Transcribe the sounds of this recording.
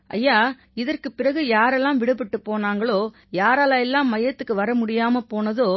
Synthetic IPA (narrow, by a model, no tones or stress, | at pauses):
ʔɐ̰jːaː | ɪðɐrkɯpɪrɐɣɯjaːɾɛlːãːmʋɪɽɯpːɪʈːɯpːoːnaːŋɡɐɭoː | jaːɾaːlɐɛlːãːmːɐjɐt̪ːɯkːɯʋɐɾɐmʊɽɪjaːmɐpoːnɐðoː